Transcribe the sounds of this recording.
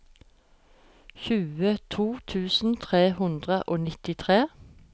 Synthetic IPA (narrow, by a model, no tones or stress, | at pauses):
çʉːət̪ʰuːt̪ʰʉːsn̩t̪ʰʁeːhʉnd̪ʁəʔoːnɪt̪ɪt̪ʰʁeː